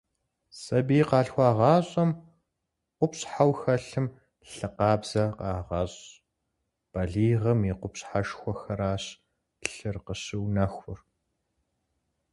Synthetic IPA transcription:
sɐbiːqɑːɬxʷɑːʁɑːɕʼɐm | qʷʊpɕʼħawxɐɬɨm | ɬɨqɑːbz̥ɐqɑːʁɑɕʼ | b̥ɐɮiːʁɐmiqʷʊpɕħaʃxʷɔxɐɾaːɕ | ɬɨrqəɕɪwnɐxʷʊr

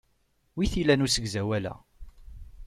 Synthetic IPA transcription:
wiθilænusəɡzæwælæ̰

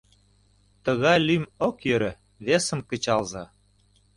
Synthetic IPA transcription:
t̪ə̆ɣɑjlymokjøɾə̆ | βesə̆mkə̆t͡ɕɑlzɑ

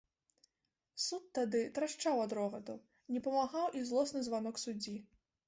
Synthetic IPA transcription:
sut̪ːad̪ɨt̪ɾaʂt͡ʂawɐd̪ɾɔɣɐd̪u | nʲɛpɐmaɣawʔizlˠɔsnɨzvanɔksud͡zʲi

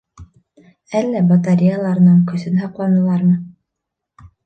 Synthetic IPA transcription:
ælːæbɑt̪aɾʲijɑlˠɑɾnɤɴkɵ̆sɵ̆nɑqlˠɑnɤ̆lˠɑɾmɤ

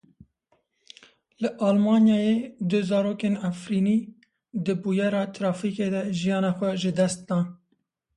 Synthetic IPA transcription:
lɨʔɑːlmɑːnjɑːjeːd̪ɨzɑːɾoːkeːnæfɾiːniː | d̪ɨbuːjɛɾɑːt̪ɾɑːfiːkeːd̪ɛʒijɑːnɑːxʷɛʒɨd̪ɛst̪̚d̪ɑːn

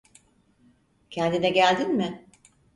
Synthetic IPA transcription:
cʰɛnd̪inɛɟælʲd̪inmɪ

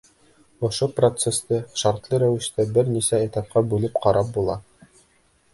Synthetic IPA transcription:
ŏʃoprot̪sest̪ɤʃɑɾt̪lˠɤɾæwɘ̆ʃt̪æbɘɾnisæet̪ɑp̚qɑbʉlɘpqɑɾʔɑp̚bulˠɑ

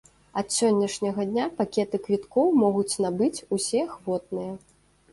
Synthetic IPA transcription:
ɐt̪sʲɔnʲːɐʂnʲɐɣɐd̪ʲnʲapakʲɛt̪ɨkvʲit̪kɔwmɔɣut͡sʲnabɨt͡sʲusʲɛxvɔt̪̚nɨjɐ

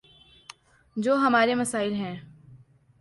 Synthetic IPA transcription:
d͡ʒoːɦɐmaːɾemɐsaːɪlɦɛ̃ː

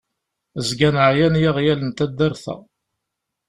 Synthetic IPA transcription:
zɡænʕjænjaʁjælənt̪æd̪ːæɾθæ̰

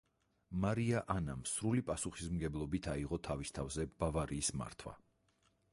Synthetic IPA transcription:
maɾiaʔanamsɾulipʼasuχismɡɛblˠɔbit̪ʰaiʁɔt̪ʰavist̪ʰavzɛb̥avaɾiːsma̰ɾt̪ʰwa̰

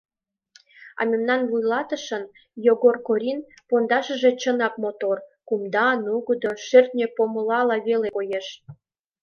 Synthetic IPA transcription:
ɑ̰mʲemnɑnβujlɑt̪əʃən | joɣorkoɾʲin | pond̪ɑʃəʒe̽t͡ɕənɑkmot̪orkumd̪ɑnuɣəd̪oʃert̪̚nʲepoməlɑlɑβelekojeʃ

